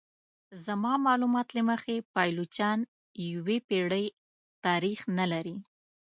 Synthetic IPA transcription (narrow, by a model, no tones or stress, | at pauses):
zamɑmɑlumɑt̪laməxepɑjlot͡ʃjɑn | jəwepeɽəj | t̪ɑɾixnalaɾi